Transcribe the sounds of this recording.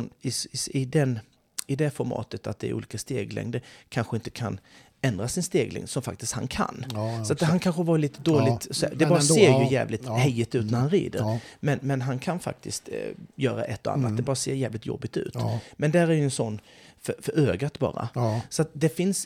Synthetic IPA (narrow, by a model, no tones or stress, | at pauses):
nɪɪɪd̪ɛn | ɪd̪ɛfɔɾmɑ̰ːt̪ət̪at̪̚d̪ɛːɾṵːliːkast̪eːɡlɛ̰ŋd̪əɾkʰanɧəɪnt̪ə̥kʰan | ɛnd̪ɾasɪnst̪eːɡlɛ̰ŋd̪sɔmfa̰k̚t̪ɪst̪ha̰nkʰa̰nːsɔat̪ɦankʰanɧəhvɑːɾliːt̪əd̪oːlɪsɛd̪ɛbɑːɾaseːɾjɵjɛ̰ːvlɪt̪hɛjət̪ʉ̟ːt̪næɾhanɾḭːd̪ə̰ɾmɛnmɛnɦankʰanfa̰k̚t̪ʰɪskt̪jœːɾa̰ʔɛt̪ːɔa̰nːat̪̚d̪ɛbɑːɾasḛːɾjɛːvlɪt̪jɔ̰bːɪt̪ʉ̟̰ːt̪mɛnd̪æːɾæɾjɵɛnsɔnːffœɾøːɡat̪bɑ̰ːɾa̰sɔat̪̚d̪ɛfɪns